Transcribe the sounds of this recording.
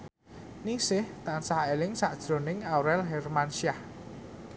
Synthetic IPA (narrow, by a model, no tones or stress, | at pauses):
nisɪht̪ansahelɪŋsaʔd̥ʒ̥ɾo̤nɪŋawɾɛlɦɛrmanʃiah